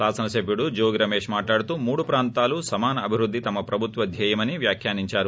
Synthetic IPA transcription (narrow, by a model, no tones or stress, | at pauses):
aːsɐnɐsepiɽud͡ʒoːɡiɾɐmeːʂmaːʈlaːɽt̪umuːɽupɾaːnt̪aːlusɐmaːnɐːbʱiɾud̪ʱːit̪ɐmːɐpɾɐbʱut̪ʋɐd̪ʱjɐjɐmɐnːiʋjaːkʰjaːniɲt͡ʃaːɾu